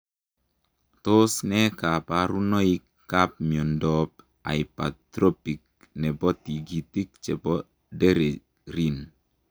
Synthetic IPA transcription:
t̪o˦snɛ˦ka˨pa˨ɾu˦no˦i˦kːa˦p̚miɔ˨ndɔp | a̰˨ipa̰t̪ɾo˦pi˨k̚ | nɛ˨bɔ˦ti˨ɡi˨ti˦k̚t͡ʃɛ˨bɔ˦ | de˦ɾe˨ | ɾi˦n

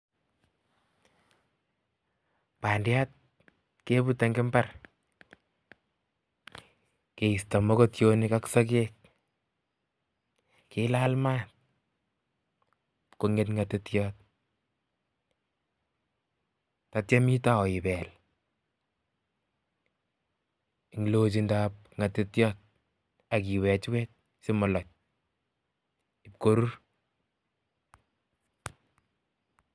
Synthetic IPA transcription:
pa˨ndjat̚ | ke˦bute˨ŋɡɪ˦mbar | ke˨ista˨mɔ˦ko˦tjo˦nɪkaksɔ˦k̬ek̚ | kelalmat̚ | ko˨ŋe˨tŋɡatetjɔːt̚ | tatjɛ˦mi˦ta˦ɔ˨ɪ˨bɛ˨l | ɪŋlo˦t͡ʃ̬indap̚ | ŋa˨tɪ˦tjɔ˦t̚ | a˨k̬i˨wɛ˨t͡ʃwɛ˦t̚ | sɪ˦mɔ˨lɔ˨t͡ʃ̚ | ɪp̚ko˦ɾu˦r

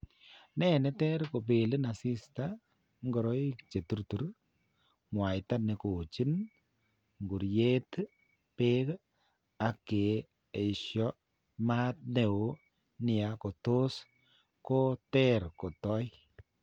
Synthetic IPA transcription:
nɛ˦˨nɛ˦tɛ˦ɾko˨p̬e˨lɪ˦na˨si˦sta˦ | ŋɡɔ˨ɾɔ˦i˦kt͡ʃe˨tu˦ɾtu˨ɾ | ŋwa˨jta˦ne˨ko˨t͡ʃi˦n | ŋɡu˨ɾje˦t | pe˦k | a˨ke˨ | e˨ʃjɔ˦ | ma˦t̚ne˨o˦ | nɪ˨a˨ko˨to˦s | ko˦tɛ˦ɾko˨tɔ˦j

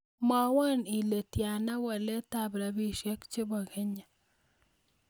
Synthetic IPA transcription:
ma˨wa˦ni˨le˨tja˨na˦wa˨lɛ˦ta˨bɾa˨bi˦ʃɛ˦kt͡ʃe˦bɔ˨ɡe˦ɲa˨

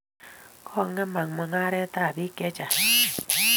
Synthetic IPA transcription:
kʰɔ˦˧˨ŋːa˦ma˨ŋma˧ŋa˦ɾɛ˦t̪aː˦˨bi˦ke˦t͡ʃa˨

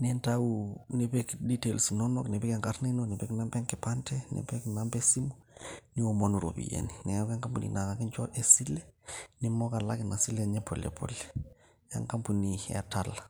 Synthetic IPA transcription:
nɛntaune˨bɛkdi˦te˨lsi˨nɔno˦kne˨bɛ˦kɛ˨ŋka˦ɾna˦inone˨bɛ˦kna˦mbɛ˦ŋkɛ˨pantɛ˦nḛ˨bɛ˦knambɛ˦si˦mu | ni˦o˨mo˦nu˨ɾo̰˨bḭ˨jḛni˨nɛ˨kɛ˦ŋka˦mpunḭ˨na˨ka˨ki˦nt͡ʃɔ˦ʔɛ˨si˦lɛnɪmɔ˦ka˨la˦kɪ˨na˨si˦lɛɲɛ˦pʰɔ˨lɛ̰˨pʰɔ̰˨lɛ | ja̰˦ŋka˦mpu˨niɛ̰˨tala

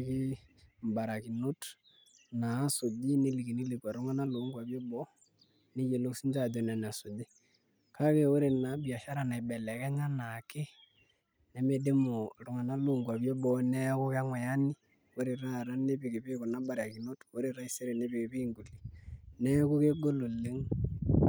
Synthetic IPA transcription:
ki˦mba˨ɾa˨ki˨no˦t | naː˨˦so˨di˦ne˦li˨ki˨ni˦li˨ka˨ɾo˦ŋa˦na˦lo˨˦ŋɡwa˨βjo˦bɔ˦ | ne˦je˨lo˦si˦nd͡ʒa˦˨do˨nɛ˨n˨a˨so˨di˦ | kʰa˦ke˦o˦ɾe˨na˨bja˨ʃa˦ɾa˨na˨i˨bɛ˨lɛ˨kɛ˦ɲa˦na˨ke˦ | nɛ˨me˨de˦mo˨ɾʊ˨ŋa˨na˦lo˦˨ŋɡwa˨bjo˦bɔ˦nɛ˦kʊ˦ka˦ŋwɛ˨ja˦ni˦ | o˦ɾe˨ɾa˦˨ɾa˦ne˦pɪ˨ke˨pɪ˦ko˨na˦ba˦ɾa˨ki˨no˦to˦ɾe˨ɾa˦i˦se˦ɾe˨ne˦bɪ˨ke˨pi˦ŋɡu˨li˨nɛ˦ku˦ke˦ɡo˦lo˨le˦ŋ

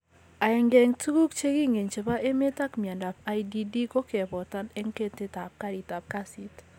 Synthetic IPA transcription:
a˨ɛ˨ŋɡɛ˨ŋtu˦ku˦kt͡ʃe˦ki˦ŋe˨nt͡ʃe˨βa˦ʔe˦me˦ta˦kmja˨nda˨p̚a˨˦idi˦di˦ko˦kɛ˨pɔ˨ta˦nɛ˦ŋke˦te˦ta˨p̚ka˦ɾi˨ta˨p̚ka˦si˦t

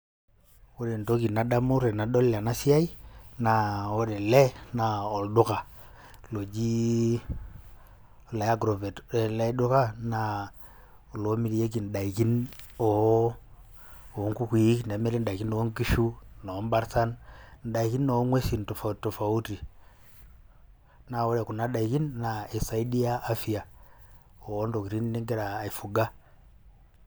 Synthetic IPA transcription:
wo˦de˨n˨to˦ki˨na˨da˦mu˦ɾe˨na˨ɗo˦la˨na˦si˦a˦i˦na˨wo˦de˨le˦na˨o˨ldu˦ka˨ | lo˨d͡ʒi˦˨ | la˨ja˦ɡɾo˨ve˨tle˦du˦ka˦na˨ | lo˨˦mi˦di˨je˦k̬i˨n̩˨da˨i˨ki˦no˨ | o˨˦ŋku˦kʷi˨˦kne˨˦me˦ɾi˦n˦da˨ki˦no˨˦ŋ˦ki˦ʃu˦no˨˦m˦ba˦ɾsa˦nn̩˨ɗa˨i˨ki˦nːo˨˦ŋwe˦si˨n˨to˨fa˨to˨fa˨u˦ti˨ | na˨wo˦ɾe˨ku˨na˨˦ɗa˨i˨ki˦nːa˨e˨sa˨i˦di˦aː˦fi˨ja˨ | o˨˦ndo˨ki˨ɾi˦n˦ni˦ŋɡe˦ɾaː˨i˨fu˨ɡa˦

